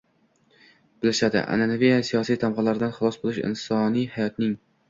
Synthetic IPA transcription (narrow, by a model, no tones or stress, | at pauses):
b̥ɪlɪʃad̪ɪ̰ʔa̰nanavijasijɒsijt̪ʰamʁɑlaɾɪd̪anχɨlˠɒsbolˠɪʃɪ̰nsɒnijhajɒt̪nɪŋ